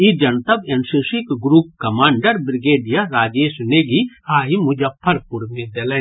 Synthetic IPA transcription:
id͡ʒɐnt̪ɐbɐnsiʃikɡɾuːp̚kɐmaːɳɖəɾbɾɪɡeːɖijaɾaːd͡ʒeːsneːɡiaːɦimʊd͡ʒɐpʰːɐɾkʊɾmẽd̪elɛ

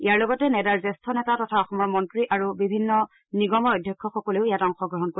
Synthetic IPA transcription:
ijaɹlɔɡɔtɛnɛdaɹzɛstʰɔnɛtatɔtʰaɔxɔmɔɹmɔntɹiʔaɹubibʱinːɔ | niɡɔmɔɔjdʱjɛkʰːɔxɔkɔleʊijatɔŋxɔɡɹɔɦɔnko

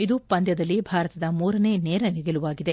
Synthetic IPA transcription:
id̪upɐnd̪jɐd̪ɐlːibʱaːɾɐt̪ɐd̪ɐmuːɾɐne̞ːneːɾɐniɡeluʋaːɡid̪e̞

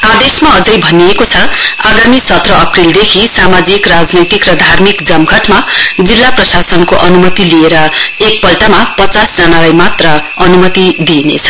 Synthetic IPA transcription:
ad̪esmaʌd͡zʌjbʱʌniekot͡sʰʌaɡamisʌt̪ʰrʌʌprild̪ekʰisamad͡zikrad͡znʌjt̪ikrʌd̪ʱarmikd͡zʌmkʌʈmad͡zilːaprʌsasʌnkoʔʌnumʌt̪ilieɾʌek̚pʌlʈamapʌt͡sasd͡zʌnalajmat̪rʌ | ʌnumʌt̪id̪inḛt͡sʰʌ̥

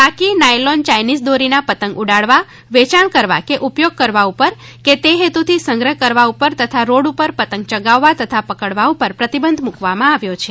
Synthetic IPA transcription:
bakinajlɔnt͡ʃajnisd̪oɾinapət̪əŋɡuɽaɭʋa | ʋet͡ʃaɳkəɾʋa̰keʔupjoɡ̚kəɾʋaupəɾ | ket̪eɦet̪ut̪ʰisə̃ŋɡɾəɦkəɾʋaupəɾt̪ət̪ʰaɾoɽupəɾpət̪əŋɡ̚t͡ʃəɡaʋːat̪ət̪ʰapəkəɽʋaupəɾpɾət̪ibənd̪ʱmukʋamãaʋjot͡ʃʰe

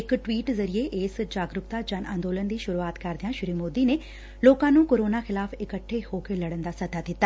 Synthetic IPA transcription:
ɪkʈʋiːʈzɐɾieʔeːsd͡ʒaːɡɾʊkt̪ad͡ʒɐnʔã̰ːnd̪oːlənd̪iːʃʊɾuaːt̪kɐɾd̪ɪjãʃʊɾimoːd̪ine | loːkãːnũːkoːɾoːnaxɪlaːfɪkəʈʰːehoːkelɐɽənd̪asɐd̪ʱad̪ɪt̪ːaː

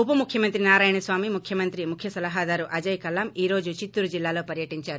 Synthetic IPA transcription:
upɐmukʰjɐmɐnt̪ɾinaːɾaːjɐɳɐsʋaːmimukʰjɐmɐnt̪ɾimukʰjɐsɐlɐɦad̪aːɾuʔɐd͡ʒɐjkɐlːɐmiːɾo̞ːd͡ʒut͡ʃit̪ːuɾud͡ʒilːaːloːpɐɾjɐʈiɲt͡ʃaːɾu

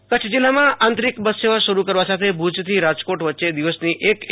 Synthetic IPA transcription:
kət͡ʃʰd͡ʒilːamããnt̪ɾikbəsʃeʋaʃəɾukəɾʋasat̪ʰebʱud͡ʒt̪ʰiɾad͡ʒkoʈʋətːʃed̪iʋəsniʔek

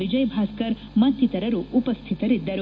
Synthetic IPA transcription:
id͡ʒɐjbʱaskɐɾmɐt̪ːit̪ɐɾɐɾuːpɐst̪ʰit̪ɐɾid̪ɐɾ

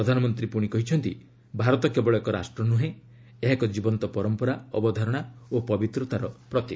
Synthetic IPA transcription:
ɾɔd̪ʱanɔmɔnt̪ɾipuɽ̃ikɔɦit͡ʃʰɔnt̪i | bʱaɾɔt̪ɔkebɔɭɔekɔɾa̰sʈɾɔnuɦẽ | eɦakɔd͡ʒibɔnt̪ɔpɔɾɔmpɔɾaɔ̰bɔd̪ʱɔɾɔɽ̃aopɔbit̪ɾɔt̪aɾɔpɾɔt̪i

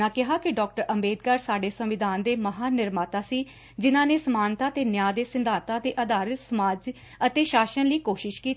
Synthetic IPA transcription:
ãːkɪɦaːkɪɖɔːk̚ʈəɾəmeːd̪̚kaːɾsaːɖeːsəmʋɪd̪aːnd̪eːməɦaːnɪɾmaːt̪aːsiː | d͡ʒɪnãːneːsəmaːnt̪aːt̪eːnjaːd̪eːsɪnd̪ʱaːt̪aːt̪eːʔəd̪aːɾət̪səmaːd͡ʒ | ət̪eːʃaːʃənliːkoːʃɪʃkiːt̪ː

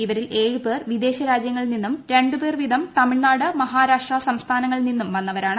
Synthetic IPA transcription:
iʋɐɾile̞ːɻube̞ːrʋid̪e̞ːɕɐɾaːd͡ʑjɐŋːɐɭninːumɾe̞ɳɖube̞ːrʋid̪ʱɐmt̪ɐmiɭnaːɽɨmɐɦaːɾaːʂʈrɐsɐmst̪ʰaːnɐŋːɐɭninːumʋɐnːɐʋɐɾaːɳɨ

